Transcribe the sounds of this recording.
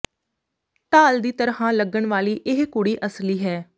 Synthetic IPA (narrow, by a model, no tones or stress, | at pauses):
ʈ̪aːld̪iːt̪əɾhãːləɡːəɳʋaːliːʔɪɦkʊɽiːʔəsliːɦɛː